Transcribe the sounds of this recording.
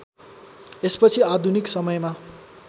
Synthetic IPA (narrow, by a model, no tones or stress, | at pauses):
espʌt͡sʰiad̪ʱuniksʌmʌjma